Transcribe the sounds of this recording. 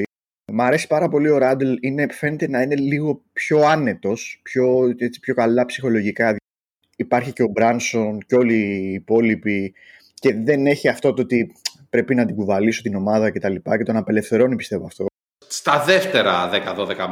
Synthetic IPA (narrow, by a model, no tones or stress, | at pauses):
mɐɾe̞si̥pɐɾɐpo̞lio̞ɾɐd̪eline̞fe̞ne̞t̪e̞nɐine̞liɣo̞pço̞ɐne̞t̪o̞spço̞et͡si̥pço̞kɐlɐpsixo̞lo̞ʝikɐ | ipɐɾçice̞o̞bɾɐnso̞nco̞liːpo̞lipi | ce̞ðe̞ne̞çiɐft̪o̞t̪oot̪i | pɾe̞pinɐnd̪iɡuvɐliso̞t̪ino̞mɐðɐce̞t̪ɐlipɐce̞t̪o̞nɐpe̞le̞fθe̞ɾo̞nipi̥st̪e̞voɐft̪o̞ | st̪ɐðeft̪eɾɐðekɐðoðekɐ